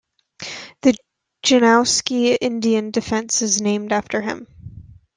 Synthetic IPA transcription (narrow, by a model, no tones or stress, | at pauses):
ðɨ̥ | d͡ʒɨnaʊskiɪ̃ndiɨ̃ndɨfɛ̃nsɨznẽɪ̃mdæftə˞ɪ̰̃m